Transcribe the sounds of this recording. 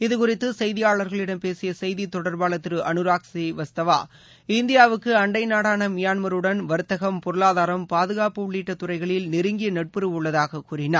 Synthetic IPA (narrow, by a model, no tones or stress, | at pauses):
ɪðɯkʊɾɪt̪ːɯsɐjðɪjaːɭɐɾɣɐɭɪɽɐmpeːsɪjɐsɐjðit̪ɔɽɐɾbaːɭɐt̪ːɪɾɯʔɐnɯɾaːksiʋɐst̪ɐʋa̰ː | ɪnd̪ɪjaːʋɯkːɯɐɳɖɐɪnaːɽaːnɐmɪjaːnmɐɾɯɽɐnʋɐɾɯt̪ːɐɣɐmpɔɾɯɭaːðaːɾɐmpaːðɯɣaːpɯʊɭːiːʈːɐt̪ːʊrɐɪɣɐɭɪlnɪɾɯŋɡɪjɐnɛʈ̚pɯɾɯʋʊɭːɐðaːɣɐkuːrɪnaː